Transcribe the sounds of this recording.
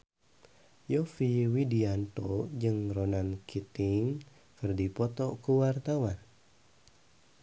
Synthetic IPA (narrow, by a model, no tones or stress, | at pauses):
jɔfiwidiant̪od͡ʒɨŋronankʰit̪ɪŋ | kɨrdipɔt̪ɔkuwart̪awan